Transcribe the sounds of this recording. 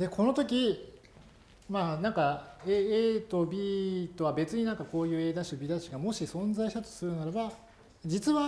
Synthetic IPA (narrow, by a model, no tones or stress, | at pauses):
d̪e̞kʰo̞no̞t̪o̞kʲi | maːnãŋkaeeːt̪o̞bʲiːt̪o̞βabe̞t͡sɨɲ̟inãŋkako̞ːjɯ̟ːe̞ːd̪aɕibʲid̪aɕiɡamo̞ɕisõ̞nzaiɕt̪at̪o̞̥sɨɾɯ̟naɾaba | d͡ʑit͡sɨβa